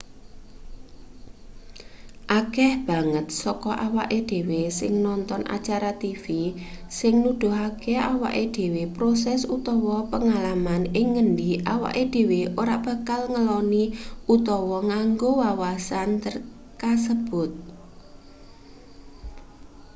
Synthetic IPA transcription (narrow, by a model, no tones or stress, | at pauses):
ʔakɛhb̥a̤ŋət̪̚sɔkɔʔawaʔed̪̥e̤wesɪ̰ŋnɔnt̪ɔnʔa̰t͡ʃaɾat̪ifisɪŋnud̪̥ʊ̤ɦakeawa̰ʔed̪̥e̤wepɾosɛsut̪ɔwɔpəŋalamanɪŋːəɳɖiʔawa̰ʔed̪̥e̤weʔoɾab̥a̤kalŋəlɔniut̪ɔwɔŋaŋɡowawasant̪ər | kasəb̥ʊ̤t̪̚